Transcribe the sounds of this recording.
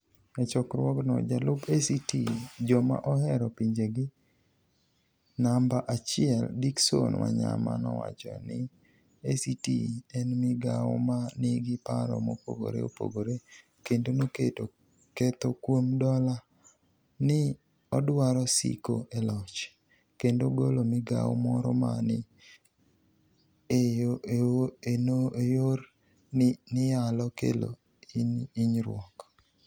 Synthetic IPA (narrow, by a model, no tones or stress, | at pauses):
ɛt͡ʃɔkɾwɔknɔ̰d͡ʒalʊbesitid͡ʒɔma̰ʔɔhɛɾɔpiɲd͡ʒeɡɪ | nambaʔat͡ʃɪɛldiksonwa̰ɲa̰ma̰nɔwat͡ʃɔnɪ | esitiɛnmɪɡawɔ̰manɪɡɪpaɾɔ̰mopo̰ɡo̰ɾḛo̰po̰ɡoɾe | kendonoketo | kɛt̪okwomdɔla | nɪ | ɔdwaɾɔsḭko̰ʔɛlɔt͡ʃ | kendoɡolomɪɡa̰w̰mɔɾɔ̰ma̰nɪ | ejoeoenoejor | nɪjalɔkḛlo̰ | iniɲɾwɔk